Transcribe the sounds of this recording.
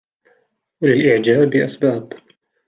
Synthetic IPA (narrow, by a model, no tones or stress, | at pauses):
walɪlʔɪʕd͡ʒaːbɪʔasbaːb